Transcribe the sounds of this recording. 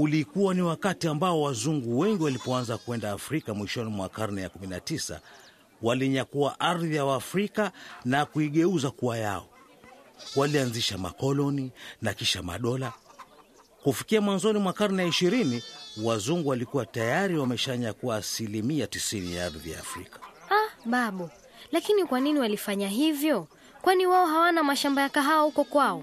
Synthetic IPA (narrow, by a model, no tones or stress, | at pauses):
ulikuwaniwakatiambaɔwazuŋɡuwɛŋɡiwalipɔanzakuɛndaːfɾikamwiʃɔnimwakaɾnɛjakuminatisa̰ | waliɲakuaʔaɾðijawaːfɾikanakuiɠɛuzakuajaɔ̰ | walianziʃama̰kɔlɔninakiʃama̰ɗɔla | kufikiamwanzɔnimwakaɾnaiʃiɾiniwazuŋɡuwalikuwatajaɾiwamɛʃaɲakuwaːsilimiatisinḭjaaɾðija̰ːfɾḭkḁaɓaɓɔ | lakinikwaniniwalifaɲaɦivjɔ | kwaniwaɔɦawanamaʃambajakaɦawahukɔkwaɔ